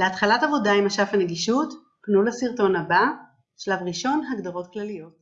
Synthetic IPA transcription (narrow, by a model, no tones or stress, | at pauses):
leatχalatavo̞daimaʃafaneɡiʃut | knulasiʁto̞naba | ʃlavʁiʃo̞nɦaɡdaʁo̞tklalijo̞t